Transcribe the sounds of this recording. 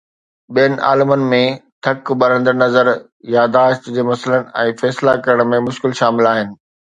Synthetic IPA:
ɓijənɪ̆ʔa̰ːlɪmənɪ̆mẽt̪ʰɐkbɐɾə̃nd̪əɾnɐzəɾ | jaːd̪aːʃt̪d͡ʑeːmɐsələnɪ̆ɛ̃ːfɛːslakɐɾəɽ̃mẽmʊʃkɪlʃaːmɪlaːɦɪnɪ̆

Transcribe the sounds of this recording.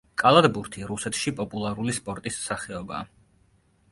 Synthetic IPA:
kʼalˠad̪buɾt̪ʰiɾusɛt̪ʰʃipʼɔpʼulˠaɾulispʼɔɾt̪ʼissaχɛɔba̰ː

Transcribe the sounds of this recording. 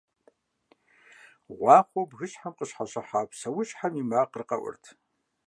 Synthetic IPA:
ʁʷɑːχʷɔbɣɨɕħamqəɕħaɕɐħaːpsɐwʊɕħamimaːqərqɐ̰ʔʷʊ̰rtʰ

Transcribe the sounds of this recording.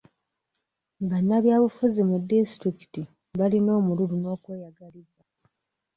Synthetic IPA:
βanːaβjaːβufuzimudːistɾiki̥ti | βalino̞ːmululuno̞ːkweːjaɡaliza

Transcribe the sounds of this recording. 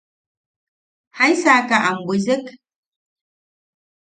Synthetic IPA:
hajsaːkaʔambuzɪk

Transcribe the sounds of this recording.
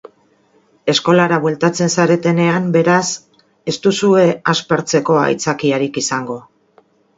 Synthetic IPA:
e̞sko̞laɾaβwe̞lt̪at͡se̞nsaɾe̞t̪e̞ne̞ambe̞ɾas | e̞st̪usue̞aspaɾt͡se̞ko̞a̰jt͡sakiaɾikisaŋɡo̞

